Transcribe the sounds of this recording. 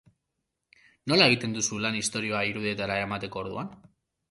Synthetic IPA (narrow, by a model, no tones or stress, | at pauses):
o̞lae̞ɣ̞it̪e̞nd̪usulanist̪o̞ɾioaiɾuðie̞t̪aɾaemat̪e̞ko̞ːɾðṵan